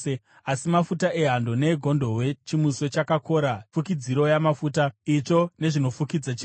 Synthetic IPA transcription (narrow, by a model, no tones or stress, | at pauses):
e | asimafutaʔe̞ɦando̞ne̞ɡʱo̞ndʱo̞ɦwe̞t͡ʃimuso̞t͡ʃakako̞ɾafukid͡ziɾo̞jamafutait͡ʂo̞ne̞ʐino̞fukid͡zat͡ʃi